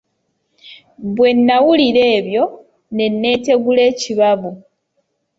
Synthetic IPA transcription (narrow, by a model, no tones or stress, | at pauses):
βwe̞nːawuliɾe̞ːβjo̞ | ne̞nːe̞ːte̞ɡule̞ːciβaβu